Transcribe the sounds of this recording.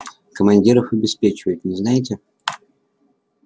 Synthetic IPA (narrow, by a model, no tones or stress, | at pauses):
kəmɐnʲdʲiɾəfɐbʲɪspʲet͡ɕɪvəjɪt̪nʲɪznajɪt̬ʲɪ